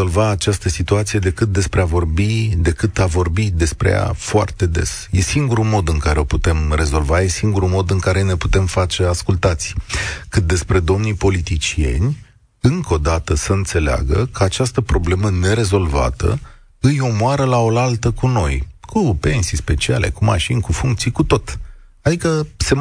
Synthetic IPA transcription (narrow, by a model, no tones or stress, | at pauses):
o̞lvaːt͡ʃast̪əsit̪uat̪sije̞d̪e̞kɨt̪̚d̪e̞spɾe̞avo̞rbid̪e̞kɨt̪avo̞rbid̪e̞spɾḛja̰foa̰rt̪e̞d̪e̞̰sje̞siŋɡuɾumo̞d̪ɨŋkaɾe̞o̞put̪e̞mre̞zo̞lvaje̞siŋɡuɾumo̞d̪ɨŋkaɾe̞ne̞put̪e̞mfat͡ʃe̞askult̪at̪sʲkɨt̪̚d̪e̞spɾe̞d̪o̞mnipo̞lit̪it͡ʃie̞̰nʲ | ɨŋko̞d̪at̪əsəɨnt̪se̞lea̰ɡəkʰəat͡ʃast̪əpɾo̞ble̞məne̞ɾe̞zo̞lva̰t̪ə̰ | ɨjomoaɾəlao̞lalt̪əkuno̞̰jkʰupe̞nsijspe̞t͡ʃia̰le̞̰kuma̰ʃinʲkufuŋk̚t̪sijkut̪o̞t̪ | ad̪ikəse̞